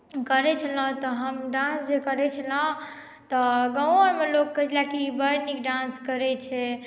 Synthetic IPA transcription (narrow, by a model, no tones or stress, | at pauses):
kəɾɛt͡ʃʰəlɔ̃t̪ɔɦəmɖãnsd͡ʒekəɾɛt͡ʃʰəlãɦ | t̪ɔɡə̃wəɾmelokːət͡ʃlakibəɾnikɖanskəɾɛt͡ʃʰɛ